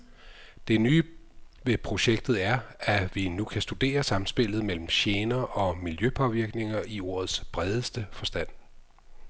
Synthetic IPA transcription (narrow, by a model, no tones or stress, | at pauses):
d̥e̝nyː | ʋe̝pʰʁo̝ɕeɡ̥̚d̥ð̩ˠæɐæʋinukʰæsd̥ud̥e̝̰ːɐsɑ̈mn̩sb̥e̝l̰ð̩ˠmel̰m̩ɕeːnɐʔɒ̽miljøpʰɒ̽ʋiɐɡ̥ne̝ŋɐʔio̝̰ːɐ̰ð̞̩ˠsb̥ʁɛð̞ˠəsd̥əfɒ̽sd̥æn̰